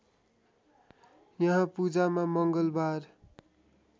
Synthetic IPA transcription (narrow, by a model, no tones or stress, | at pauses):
jʌɦãpud͡zamamʌŋɡʌlbar